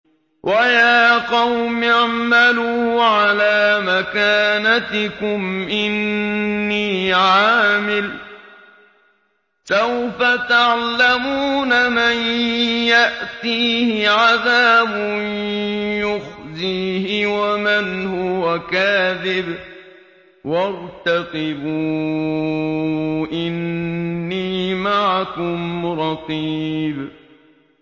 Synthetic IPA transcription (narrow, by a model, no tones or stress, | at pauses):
wʔajaːqɑwmaʕmaluːʕalaːmakaːnat̪ɪkʊmʔɪnː | iːʕaːmɪl | sawfat̪aʕlamuːnamanjaʔt̪iːhɪʕaðaːbʊnjʊxziːhɪwamɪnhʊwakaːðɪb | wɑɾˤt̪aqɪbu | ʔɪnː | iːmaʕakʊmɾˤɑqiːb